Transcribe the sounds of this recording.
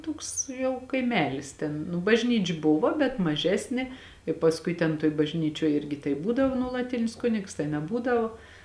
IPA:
ˈtoːks jɛʊ kɐɪˈmʲæːlʲɪs ˈtʲɛn nʊ bɐʒʲˈnʲiːt͡ʃʲ ˈbʊʋɐ bʲɛt mɐˈʒʲæːsʲnʲeː ɪ pɐsˈkʊɪ tʲɛn toːj bɐʒʲˈnʲiːt͡ʃʲoːj ˈɪrʲɡʲɪ tɐɪ ˈbuːdɐʋoː nuɔlˠɐˈtʲɪnʲɪs ˈkʊnʲɪks tɐɪ nʲɛˈbuːdɐʋoː

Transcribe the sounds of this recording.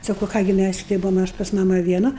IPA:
ˈsɑːkɐʊ ˈkɑː ɡʲɪ ˈmʲæs ˈʃʲɪtɐɪ ˈbʊʋoːm ˈɐʃ pɐs ˈmɑːmɐ ʋʲiɛˈnɐ

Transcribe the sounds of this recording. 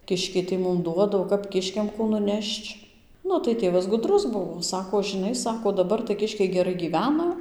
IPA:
ˈkʲɪʃʲkʲɛɪ tɐɪ ˈmʊm ˈduɔdɐ oː ˈkɐp ˈkʲɪʃʲkʲɛm ˈkuː nʊˈnʲɛʃt͡ʃ ˈnʊ tɐɪ ˈtʲeːʋɐs ɡʊˈdrʊs ˈbʊʋoː ˈsɑːkoː ʒɨˈnɐɪ ˈsɑːkoː dɐˈbɐr tɐɪ ˈkʲɪʃʲkʲɛɪ ɡʲɛˈrɐɪ ɡʲiːˈʋʲæːnɐ

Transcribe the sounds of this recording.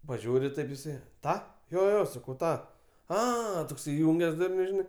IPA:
pɐˈʒʲuːrʲɪ ˈtɐɪp jɪˈsɐɪ ˈtɑː joː joː ˈjoː sɐˈkɐʊ ˈtɑː ˈɐ toːks ɪˈjʊŋʲɡʲɛs ˈdʊrʲnʲʊ ʒʲɪˈnɐɪ

